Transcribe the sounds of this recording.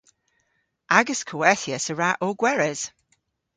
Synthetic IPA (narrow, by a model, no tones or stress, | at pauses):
aɡəskʰowɛθjəsəɹaʔoɡwɛɹɛz̥